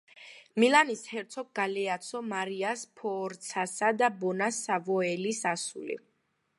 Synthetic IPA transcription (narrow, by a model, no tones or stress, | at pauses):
milanishɛɾt̪sʰɔɡ̚ɡalɛat̪sʰɔmaɾiaspʰɔɾt̪sʰasad̪abɔnasavɔɛlisasṵlḭ